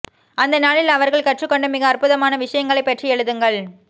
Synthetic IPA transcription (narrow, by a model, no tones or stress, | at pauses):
ɐnd̪ɐnaːɭɪlɐʋɐɾɣɐɭkɐʈrɯkːɔɳɖɯmːɪɣɐːrpʊðɐmaːnɐʋɪʂɐjɐŋɡɐɭɐɪpːɛʈriɛɻɯðɯŋɡɐɭ